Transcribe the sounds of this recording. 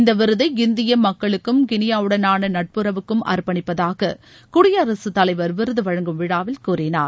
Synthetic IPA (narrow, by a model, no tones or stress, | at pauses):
ɪnd̪ɐʋɪɾɯðɐɪɪnd̪ɪjɐmɐkːɐɭɯkːɯmkɪnɪjaːɯɽɐnaːnɐnɐʈ̚pɯɾɐʋɯkːɯmʔɐ̰ɾpɐɳɪpːɐðaːɣɐ | kʊɽɪjɐːɾɐsɯt̪ːɐlɐɪʋɐɾʋɪɾɯðɯʋɐɻɐŋɡɯmʋɪɽaːʋɪlkuːrɪna̰ːɾ